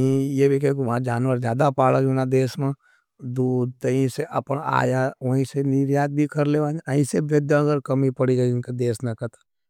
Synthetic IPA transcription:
ɦĩjebʱikekuʋãd͡ʒaːnwəɾzjaːd̪apaːlad͡ʒunad̪eːsmẽ | d̪uːd̪t̪əɦĩseʔɐpəna̰ːjaʋəɦĩsenɪɾjaːt̪̚bʱikəɾleʋãːnəĩseʋjəd̪jaəɡəɾkɐmipɐɽid͡ʒaɪnkad̪eːsnakət̪ḁ

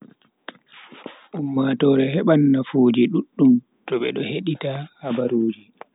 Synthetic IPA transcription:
ʔumːatɔɾɛhɛɓanːafuːd͡ʒiɗuɗːum | tɔɓɛ̰ɗɔheɗitahabaɾuːd͡ʒi

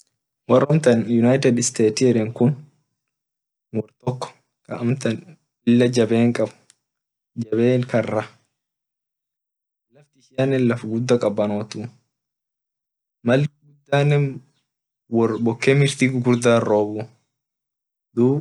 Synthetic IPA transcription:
wɐrːɐmt̪ɐnjʊnɐjt̪ɛd̪ɪst̪eːt̪ɪɛɾɛŋkʊn | wɔɾt̪ɔkːɔ̥ | kɐʔmt̪ɐn | ɪlːɐd͡ʒɐbeːŋkʼɐb | d͡ʒɐbe̞ːŋkɐrːɐ | lɐft̪ɪɪʃjanːɛnlɐfɡʊd̪ːɐkʼɐbːɐnoːt̪uː | mɐlɡʊd̪ːaːnːɛ | wɔbɔkːɛmɪɾt̪iɡɡʊɾd̪aːro̞ːbu | d̪uː

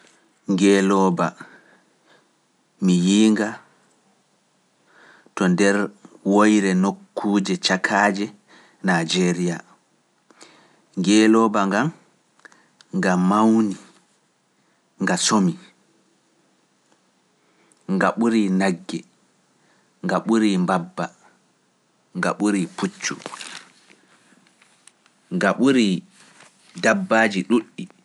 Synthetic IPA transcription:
ŋɡɛːlɔːba | mijiːŋɡa | tɔndɛɾwojɾɛnokːuːd͡ʒɛt͡ʃakʰad͡ʒɛ | nad͡ʒɛɾija | ŋɡɛːlɔːbaŋɡam | ŋɡamawni | ŋɡasomi | ŋɡaɓuɾinaɡːɛ | ŋɡaɓuɾimbabːa | ŋɡa̰ɓuɾipʰut͡ʃːṵ | ŋɡaɓuɾi | dabːaːd͡ʒiɗuɗːi

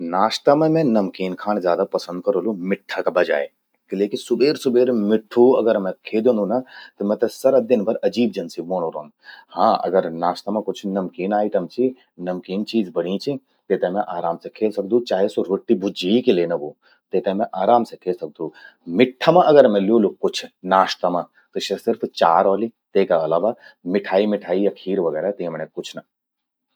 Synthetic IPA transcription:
naːʃt̪ɐmẽmẽnɐmkiːnkʰaːñzjaːd̪apɐsə̃nd̪̚kɐɾoːlumɪʈʰːakabɐd͡ʒa̰ːe | kleːkisʊbeːɾsʊbeːɾmɪʈʰːuɐɡəɾmẽkʰeːd̪õnunɐt̪ɐmɛ̃t̪ɐsɐɾɐd̪ɪnbʱɐɾɐd͡ʒiːbd͡ʒɐnsibõːñoɾoːn | hãːɐ̰ɡəɾnaːʃt̪ɐmãkʊt͡ʃʰnɐmkiːnaːiʈ̪ɐmt͡ʃʰi | nɐmkiːnt͡ʃiːzbɐɽĩt͡ʃʰi | t̪eːt̪ẽmɛ̃ʔaːɾaːmsekʰeːlsɐk̚d̪ũt͡ʃaːɦesoɾoʈːibʊd͡ʒiikelenɐboː | t̪eːt̪ẽmɛ̃ʔaːɾaːmsekʰeːlsɐk̚d̪ũ | mɪʈʰːəmãʔɐɡəɾmɛ̃ljoːlukʊt͡ʃʰnaːʃt̪ɐmã | t̪oʃesɪɾpʰt͡ʃaːɾɔːlit̪eːkaɐlaːʋamɪʈʰaːimɪʈʰaːiɐkʰiːɾʋɐɡɛːɾat̪ɐĩmɛnekʊt͡ʃʰnɐ

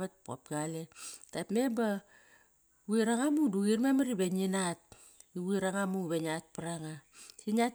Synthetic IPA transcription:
βat̚po̰p̚ɡaletapmeba | wuiɾaŋamuduɣirmemaɾibeɲinat̚ | iwiɾaŋamuβeɲat̚paɾaŋasina

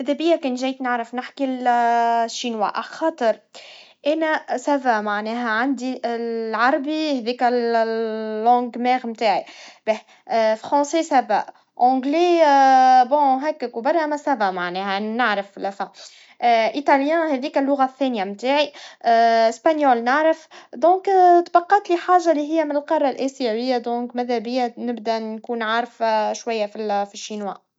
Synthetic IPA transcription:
ʔæd̪æbɪjːækɛːnʒɛːjt̪nəʕɾəfnɪħkil | ʃːinwa̰ʔa̰xɑːt̪ˤəɾ | ʔænæsævæmaʕnɛːɦæʕand̪iʕɑɾˤɑbihɛðiːkælː | ɑ̃ːɡmɛːɣmt̪aːʕibɛ | fɾɑ̃ːsesæbæ̰ʔ | ʕõɡle | bɔ̃ːɦɛːkːækubɑɾˤːʔæmæsæbæʔmaʕnɛːhæʔnnaʕɾəflfæ | ʔit̪ɑljæ̃ːhɛðiːkælːʊɣaθːɛːnjamt̪aːʕi | ɪspanjoːlnaʕɾəfd̪ɔ̃ːkt̪bɑqːɑːt̪liħaːʒːalːiɦɪjːæmɪnɪlqɑrˤːɑlʔæsiwɪjːæd̪ɔ̃ːkmæðæbɪjːænɪbd̪ænkuːnʕaɾˤfʃwæjːæfifiʃːinwa̰ː

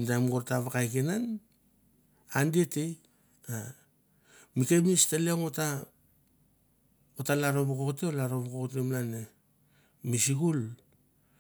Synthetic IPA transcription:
ntajmɡoɾtaβakajkenan | andietej | a | mikemistaleŋota | otalaɾoβoko̞kteolaɾoβokoktemlane | misiɡul

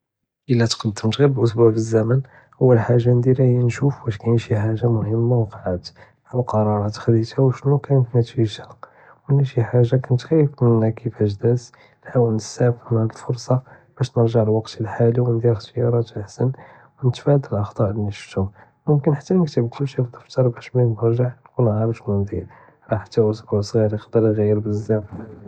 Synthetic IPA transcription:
ʔəlːæt̪qənt̪ːəmt̪ɣibʔʊsbuʕbəzːæmən | ʔəwːəlħaʒːand̪iɾæhjænʃufbæʃkæjənʃiħaʒːamʊhəmːawqɑʕad̪ | ʕaqɑɾˤɑɾˤɑt̪xd̪it̪æwʃnukænknət̪fiʃæ | wnæʃiħaʒːakænət̪xæjːəfmənːækʰəfæʃd̪æs | lħawəlnəsæbfnʕaləlfoɾsˤɑ | b̥æʃnəɾʒaʕlwɑqt̪əlħaliwənd̪iɾxt̪əjɑɾˤɑt̪əlħsən | wənət̪fæd̪əlʔɑxt̪ˤɑʔlinəʃt̪u | mʊmkənħḁt̪ːænəkt̪əbkʊlːʃibt̪ˤːəft̪ɑɾˤbæʃminnəɾʒəʕnkunʕaɾˤəʃmʊnd̪iɾ | ɾˤɑħḁt̪ːæwususˤɣiɾqd̪əɾˤɣæjːəɾbəzːæf

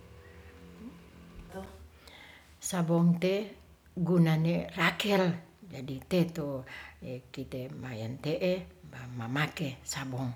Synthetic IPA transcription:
sabɔŋt̪e | ɡunanerakɛld͡ʒadit̪et̪oekit̪emajant̪eʔebamamakesabɔŋ

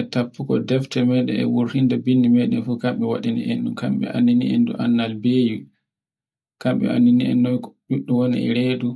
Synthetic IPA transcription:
ɛtapʰːukɔ̰dɛftɛmɛjɗɛɛ̰wuɾhindɛbinːimɛjɗɛnfukamɓɛwaɗinḭʔɛnɗumkamɓɛ̰ʔa̰nːiniɛ̰ndṵʔanːalbeːju | kamɓɛ̰a̰nːiniɛ̰nːɔjɗuɗːuwonḭɛ̰ɾeːdu

